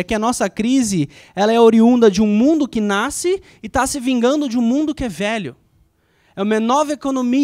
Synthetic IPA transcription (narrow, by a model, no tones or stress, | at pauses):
ɐkɪɐnɔsɐkɾizɪ | ɛlɐɛoɾiũnd̪ɐd͡ʒɪũmũnd̪ʊkɪnasɪ | ɪt̪asɪvĩŋɡɐ̃nd̪ʊd͡ʒɪũmũnd̪ʊkɪɛvɛʎʊ̰ | ɛũmɐnɔvekonõmi